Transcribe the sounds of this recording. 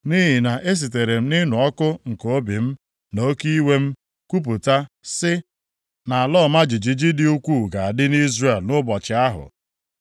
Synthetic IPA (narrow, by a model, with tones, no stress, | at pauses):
ni˦ɦi˨na˨ʔe˦s̬i˨te˨ɾe˨m̩˦nɪ˦nʊ˨ɔ˦kʊ˦ŋ̩˨ko˦bi˨m̩˦ | no˦ki˦i˦we˦m̩˦ | ku˦p̬u˨ta˦sɪ˦ | na˨a˨lɔː˦˨ma˦d͡ʒi˨d͡ʒi˨d͡ʒi˦dɪ˦u˦kʷu˦˨ɡa˨a˨dɪ˦ni˦zre˨lnʊ˦bɔ˨t͡ʃɪ˨a˦ɦʊ̰˨